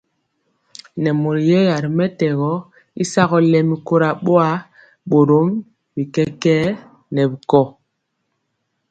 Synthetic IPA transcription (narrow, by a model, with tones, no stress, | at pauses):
nɛ˨mo˨ɾi˨jɛ˦ja˨ɾi˨mɛ˦tɛ˨ɣɔ˦ | i˦sa˦ɣɔ˦lɛ˨mi˦ko˦ɾa˨ɓo˦a˦ | ɓo˨ɾo˨˦m | bi˨kɛ˦kɛː˦ | nɛ˨bi˨kɔ˦˨